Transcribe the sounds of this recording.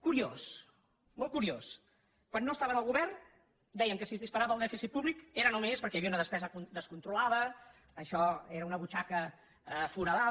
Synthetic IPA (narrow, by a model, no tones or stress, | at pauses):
kuɾios | molˠkuɾios | kwanːoəst̪aβənəlˠɣuβɛrn | d̪ɛjəŋkəsizðispəɾaβəlˠd̪ɛfisit̪̚puβlikeɾənomespəɾkɛjəβiəunəðəspɛzəkud̪əskunt̪ɾulaðə | əʃɔeɾəunəβut͡ʃakə | fuɾaða